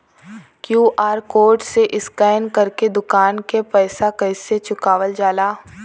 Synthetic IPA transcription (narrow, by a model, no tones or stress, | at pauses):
kjuːʔaːɾkoːɾʈseʔɪskaːnkɐɾked̪ʊkaːnkepɛːsakɐːset͡ʃʊkaːʋəld͡ʒaːlaː